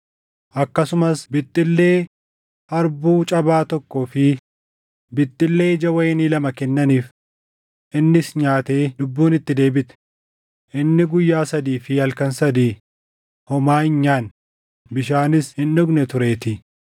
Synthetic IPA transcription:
ʔɐkːɐsʊmɐsbɪt̪ʼːɪlːe̞ː | hɐɾbuːt͡ʃʼɐbaːt̪ɔkːoːfɪ | bɪt̪ʼːɪlːe̞ːd͡ʒɐwɐjɛniːlɐmɐkɛnːɐniːf | ʔɪnːɪsɲaːt̪e̞ːlʊbːuːnɪt̪ːɪd̪e̞ːbɪt̪ɛ̥ | ʔɪnːɪɡʊjːaːsɐd̪iːfɪhɐlkɐnsɐd̪iː | hɔmaːɪɲːaːn | bɪʃaːnɪshɪnːɔɡnɛt̪ʊɾe̞ːt̪ɪ

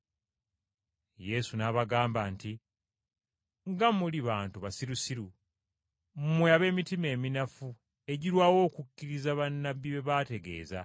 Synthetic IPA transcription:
je̞sunaβaɡaːmbanti | ŋɡamuliβaːntuβasiɾusiɾu | mmweaβe̞ːmitime̞ːminafu | e̞ɟiɾwaːwo̞ːkukːiɾizaβanːabiβe̞βate̞ɡe̞̰ːza̰

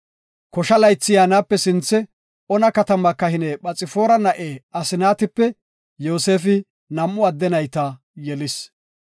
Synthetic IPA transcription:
kɔʃɐlɐjt͡sːɪjaːnaːpːɛsɪnt͡sːɛ | ɔnɐkɐt̪ɐmɐkːɐhɪnɛɓɐt͡sʼːɪfo̞ːɾɐnɐʔeːɐsɪnaːt̪ɪpːɛ | joːse̞ːfɪ | nɐmːʊɐd̪ːɛnɐjt̪ɐ | jɛlɪs

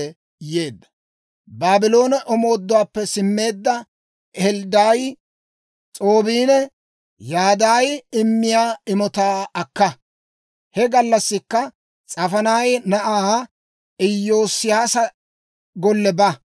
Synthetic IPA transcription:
jeːd̪ːɐ̥ | baːbɪlo̞ːnɐʔɔmo̞ːd̪ːʊwaːpːɛsɪmːe̞ːd̪ːɐ | ɛld̪aːj | t͡sʼo̞ːbiːnɛ | jaːd̪aːjɪmːɪjaːɪmɔt̪aːɐkːɐ | hɛɡɐlːɐsːɪkːɐ | t͡sʼɐfɐnaːjnɐʔaː | ɪjːo̞ːsɪjaːsɐ | ɡɔlːɛbɐ

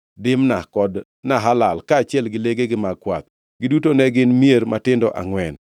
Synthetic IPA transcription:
dɪmnakɔd | naɦalalkaːt͡ʃɪɛlɡɪleɡeɡɪmaɡkwa̰t̪̚ | ɡɪdutonɛɡɪnmieɾmatɪndɔ̰ʔa̰ŋwɛn

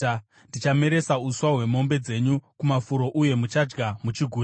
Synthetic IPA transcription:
ndit͡ʃame̞ɾe̞sauswaɦwe̞mo̞mbe̞d͡ze̞ɲukumafuɾo̞ʔuje̞mut͡ʃad͡ʒɡamut͡ʃiɡʱuː

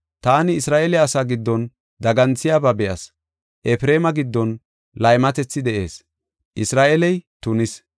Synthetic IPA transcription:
t̪aːnɪːsɾaːʔɛlɛɐsaːɡɪd̪ːɔn | d̪ɐɡɐnt͡sːɪjaːbɐbɛjɐs | ʔɛfɾe̞ːmɐɡɪd̪ːɔn | lɐjmɐt̪ɛt͡sːɪd̪ɛʔe̞ːs | ʔɪsɾaːʔɛlɛjt̪ʊnɪs

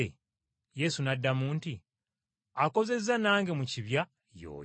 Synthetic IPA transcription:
e | je̞sunadːamuːnti | ako̞ze̞zanaːŋɡe̞muciβja | jo̰ːj

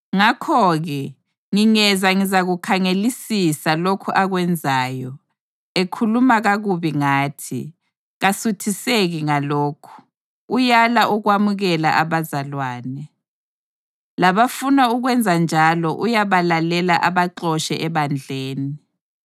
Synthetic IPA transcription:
ŋakʰɔɣɛ | ŋiŋɛzaŋizaɣukʰaŋelisisalokʰuʔaɣwɛnd͡zʱaːjɔ | ekʰulumaɣaɣuβiŋaːtʰḭ | ɣasutʰiseɣiŋaloːkʰu̥ | ujalaʔuɣwamuɣɛla̰ʔaβazalwaːnɛ | laβafunauɣwɛnd͡zʱand͡ʒʱalɔʔujaβalalɛlaʔaβaǁɔʃɛʔɛβand͡ɮʱeːnii

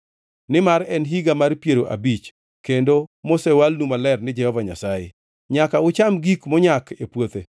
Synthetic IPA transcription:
nɪmaɾɛnɦiɡamaɾpjeɾoʔa̰bit͡ʃ | kendomosewalnumalɛrnɪd͡ʒɛhɔvaɲa̰sajḛ | ɲakaʊt͡ʃamɡikmɔɲakepwot̪e

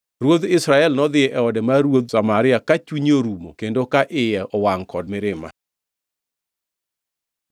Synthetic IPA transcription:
ɾwod̪ɪsɾaɛlnɔd̪ɪɛʔɛɔdɛmaɾwod̪̚samaɾɪakat͡ʃiɲoɾumokendokaʔɪjɛʔɔwaŋkɔd̚mɪɾɪma̰

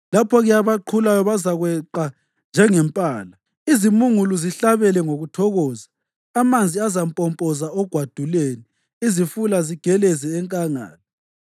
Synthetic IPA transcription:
lapʰɔɣɛjaβaǃʰulajɔβazaɣwɛǃa | nd͡ʒʱɛŋɛmpʼaːla | izimuŋuluziɬaβɛlɛŋoɣutʰɔɣɔːzaː | mand͡zʱiazampʼɔmpʼɔzaɔɡ̥ʱwad̥ʱuleːni | izifulaziɡ̥ʱɛlɛzɛːŋkʼaŋa̰ːlɔ

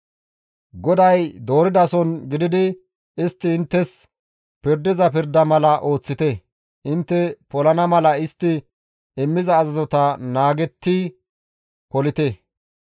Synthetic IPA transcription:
ɡɔd̪ɐjd̪o̞ːɾɪd̪ɐsɔnɡɪd̪ɪd̪ɪ | ɪst̪ːɪɪnt̪ːɛs | pɪɾd̪ɪzɐpɪɾd̪ɐmɐlɐʔo̞ːt͡sːɪt̪ɛ | ʔɪnt̪ːɛpɔlɐnɐmɐlɐɪst̪ːɪ | ɪmːɪzɐːzɐzɔt̪ɐnaːɡɛt̪ːi | pɔlɪt̪ɛ

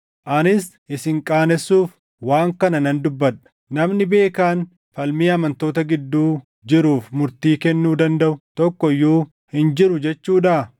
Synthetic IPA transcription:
ʔɐnɪs | ɪsɪŋkʼaːnɛsːuːf | waːŋkɐnɐnɐnd̪ʊbːɐᶑɐ̥ | nɐmnɪbe̞ːkaːn | fɐlmiːɐmɐnt̪o̞ːt̪ɐɡɪd̪ːuː | d͡ʒɪɾuːfmʊɾt̪iːkɛnːuːd̪ɐnd̪ɐʔʊt̪ɔkːɔjːuː | hɪnd͡ʒɪɾʊd͡ʒɛt͡ʃːuːᶑa

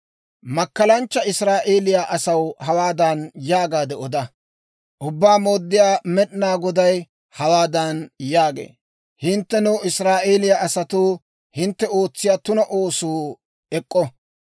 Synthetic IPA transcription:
mɐkːɐlɐnt͡ʃːɐɪsɾaːʔeːlɪjaʔɐsɐwhɐwaːd̪ɐnjaːɡaːd̪ɛɔd̪ɐ | ʔʊbːaːmoːd̪ːɪjaːmɛɗnaːɡɔd̪ɐj | hɐwaːd̪ɐnjaːɡḛː | hɪnt̪ːɛnɛwɪsɾaːʔe̞ːlɪjaʔɐsɐt̪uː | hɪnt̪ːɛo̞ːt͡sːɪjaːt̪ʊnɐʔo̞ːsuː | ɛkʼːɔ

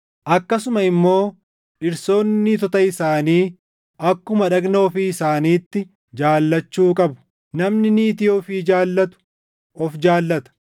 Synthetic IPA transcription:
ʔɐkːɐsʊmɐɪmːo̞ː | ᶑɪɾso̞ːnːɪt̪ɔt̪ɐɪsaːniː | ɐkːʊmɐᶑɐɡno̞ːfɪɪsaːniːt̪ːɪ | d͡ʒaːlːɐt͡ʃːuːkʼɐbʊ̥ | nɐmnɪniːt̪ɪjoːfiːd͡ʒaːlːɐt̪ʊ̥ | ɔfd͡ʒaːlːɐt̪ɐ̥

